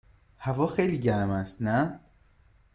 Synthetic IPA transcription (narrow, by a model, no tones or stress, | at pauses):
hævɒːxejliːɟæɾmæst̪næ